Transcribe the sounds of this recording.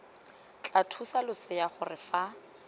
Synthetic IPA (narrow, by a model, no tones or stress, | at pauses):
t͡ɬʼatʰusalʊsɪjaχʊrɪfa